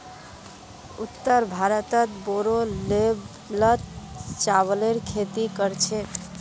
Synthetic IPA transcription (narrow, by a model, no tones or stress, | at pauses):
ut̪ːəɾbʱaɾət̪ət̪boɾoleb | lət̪t͡ʃaβleɾkʰet̪ikəɾt͡ʃʰe